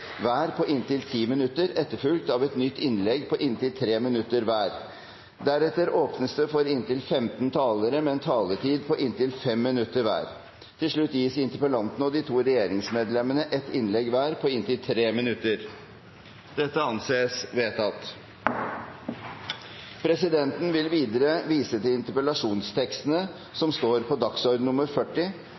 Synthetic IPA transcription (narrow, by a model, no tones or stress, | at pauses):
ʋæːɾpʰɔʔɪnt̪ɪlt̪ʰiːmɪnʉt̪ːəɾɛt̪ːəɾfʉlt̪ɑʋɛt̪nʏt̪ːɪnlɛɡpʰɔʔɪnt̪ɪlt̪ʰɾeːmɪnʉt̪ːəɾʋæːɾ | d̪æɾɛt̪ːəɾoːpnəst̪əfɔɾɪnt̪ɪlfɛmt̪nt̪ʰɑːləɾəmɛɛnt̪ʰɑːlət̪ʰiːd̪pʰɔʔɪnt̪ɪlfɛmːɪnʉt̪ːəɾʋæ̰ːɾ | t̪ʰɪlʂɭʉt̪ːjiːsɪnt̪əɾpəlɑnt̪nəɔd̪ɪt̪ʰuːɾɛjeːɾɪŋsmeːd̪lɛmənəʔɛt̪ɪnlɛɡʋæːɾpʰɔɪnt̪ɪlt̪ʰɾeːmɪnʉt̪ːəɾ | d̪̥ɛt̪ːəɑnseːsʋeːt̪ʰɑt̪ | pʰɾɛsɪd̪ɛnt̪n̩ʋɪlʋiːd̪əɾəʋiːsət̪ɪlɪnt̪əɾpəlɑʂuːnst̪ʰɛkst̪ənə | sɔmst̪oːɾpʰɔd̪ɑksɔːɾd̪nʊmːəɾfœʈːɪ